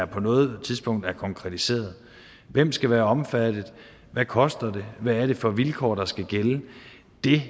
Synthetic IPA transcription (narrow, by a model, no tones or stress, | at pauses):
æɐpʰɒ̽nɔ̽ːð̩ˠt͡sʰiðˠsb̥ɔ̽ŋ̰d̥æɐkʰɒ̽ŋkʰʁɛt͡sʰise̝̰ːɐðˠ | ʋem̰sɡ̥æʋæːɐɒ̽mfæd̥ð̩ˠ | ʋækʰɒ̽sd̥ɐd̥e̝ʋæːɐɾ̥e̝fɒ̽ʋilkʰɒ̰ːd̥ɑ̈sɡ̥æɡ̥elə | d̥e̝